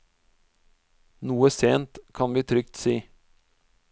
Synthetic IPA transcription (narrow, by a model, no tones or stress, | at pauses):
nuːəseːnt̪kʰɑnʋiːt̪ʰɾʏkt̪siː